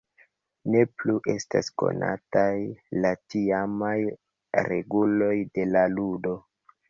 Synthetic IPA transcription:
ne̞pluʔe̞sta̰sko̞̰na̰tajlatiamaj | ɾe̞̰ɡulo̞jde̞laludo̞

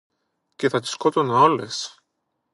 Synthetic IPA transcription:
ceθɐt̪i̥sko̞t̪onoles

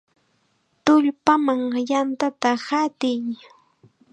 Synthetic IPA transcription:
t̪ʊʎpamaŋjant̪at̪ahat̪ɪj

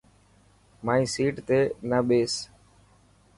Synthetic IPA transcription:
maːĩːsiːʈt̪eːnəɓeːs

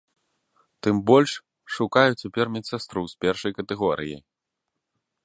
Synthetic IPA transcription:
t̪ɨmbɔlʲʂ | ʂukajut͡sʲapʲɛrmʲɛt̪sast̪ɾuwspʲɛrʂɐjkɐt̪ɛɣɔɾɨ̰jḭj

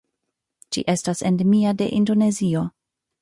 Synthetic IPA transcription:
t͡ʃḭʔe̞stasendemiade̞̰ʔindo̞ne̞zio̞

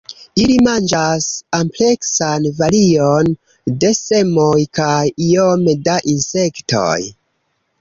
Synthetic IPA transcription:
ilimand͡ʒasample̞ksanvalion | de̞se̞mojkajio̞medaʔinse̞kto̞̰j

